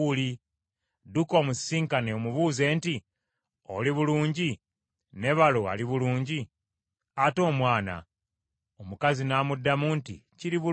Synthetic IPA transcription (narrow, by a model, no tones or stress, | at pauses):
uli | duko̞ːmusiːŋkaneomuβuːze̞ːnti | o̰liβuluːɲɟi | ne̞βaloa̰liβuluːɲɟi | ato̞ːmwaːna̰ | omukazinaːmudːamuntḭciliβu